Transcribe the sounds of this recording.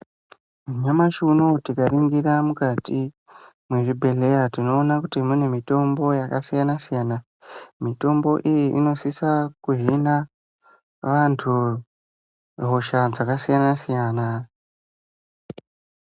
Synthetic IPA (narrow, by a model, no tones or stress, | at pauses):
muɲamaʃunotikariŋɡiɾamukati | mweʐibʱe̞le̞jatino̞ːnakutimune̞mito̞mbo̞jakasijanasijaːna | mito̞mbo̞ʔijiʔino̞sisakuɦina | ʋantʰu | ɦo̞ʃad͡zakasijanasijana